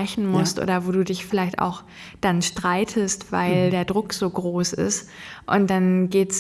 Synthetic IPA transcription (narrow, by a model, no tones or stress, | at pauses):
ɛçn̩mʊstʔo̰ːdɐvoːduːdɪçfɪlaɪçta̰ʊx | d̥anʃtʁ̥aɪtʰəstv̥a̰ɪldeːɐdʁʊkz̥oːɡʁoːsɪ̰stʔʊnt̚d̥anɡeːts